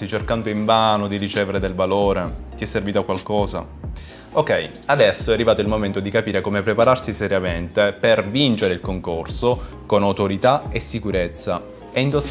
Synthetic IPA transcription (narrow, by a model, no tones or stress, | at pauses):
it͡ʃerkand̪oiɱvaːnod̪irit͡ʃeːveɾed̪elvaloːɾet̪iɛsːerviːt̪akwalkɔːza̰ | okɛj | ad̪ɛsːoɛarːivaːt̪oilmoment̪od̪ikapiːɾekomepɾepaɾarsisɛɾjament̪epervint͡ʃeɾeilkoŋkorso | konawt̪oɾit̪aesːikuɾet̪sːa | ɛind̪os